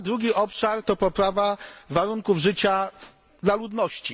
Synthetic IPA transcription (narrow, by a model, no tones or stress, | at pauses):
d̪ɾuɡʲiʔɔpʂaɾt̪ɔpɔpɾavavaɾuŋkuvʐɘt͡ɕa | d̪lalud̪nɔɕt͡ɕi